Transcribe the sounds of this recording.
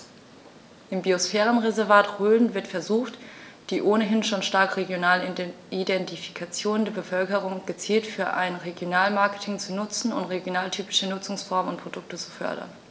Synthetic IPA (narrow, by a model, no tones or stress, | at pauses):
ʔɪmbiosfɛːʁənʁezɛɐvaːtʁøːln̩vɪɐtfɛɐzuːxtd̥iːʔoːnəɦɪnʃoːnʃtaɐkʁ̥eɡjonaːl | idɛntifi̥kʰat͡sjoːndeːɐbəfœlkəʁ̞ʊŋɡ̥ət͡siːltfyːɐʔaɪnʁeɡjonaːlmaɐkə̥tʰɪŋt͡sunʊt͡sn̩ʊ̰ntʁeɡjonaːltʰyːpɪʃənʊt͡sʊŋsfɔɐmənʊntpʁ̥od̥ʊk̚tət͡su̥fœ̰ɐdɐ̰n